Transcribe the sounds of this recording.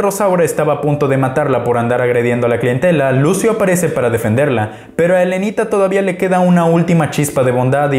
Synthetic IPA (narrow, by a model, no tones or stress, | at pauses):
ro̞sawɾae̞st̪aβaːpunt̪o̞ðe̞mat̪aɾlapo̞ɾand̪aɾaɣɾe̞ð̞je̞nd̪oalaklie̞nt̪e̞lalusjoapaɾe̞se̞paɾaðefe̞nd̪e̞ɾla | pe̞ɾoaele̞nit̪at̪o̞ðaβiale̞ke̞ðaunault̪imat͡ʃispaðe̞β̞o̞nd̪að